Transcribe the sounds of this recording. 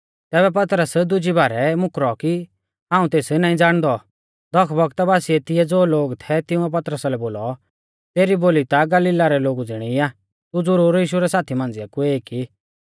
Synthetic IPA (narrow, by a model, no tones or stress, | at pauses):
t̪ɛːβɛp̬ɐt̪ɾəsd̪ʊd͡ʒibaːɾɛmʊkɾɔki | ɦãːũt̪eːsnaːĩd͡zaːɽ̃d̪ɔ | d̪ɔkʰbɔɡt̪baːsiɛt̪ɪɛd͡zoːloːɡt̪ʰɛt̪ɪ̃ʊ̃ɛp̬ɐt̪ɾəsalɛboːlɔ | t̪eːɾiboːlit̪aɡɐliɪːlaɾɛloːɡud͡zɪɽ̃iaː | t̪ud͡zʊɾuːɾjiːʃuɾɛsaːt̪ʰimãn̆d͡zɪjakueːki